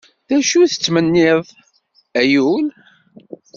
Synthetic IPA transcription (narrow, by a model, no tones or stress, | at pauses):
ðæʃuθə̥t͡sːmənːɪðˤ | æjul